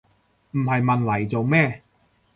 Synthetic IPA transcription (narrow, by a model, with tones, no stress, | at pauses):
m̩˨˩hɐ˨jmɐ˨˧nlɐ˨˩jt͡so˨wmɛː˥˩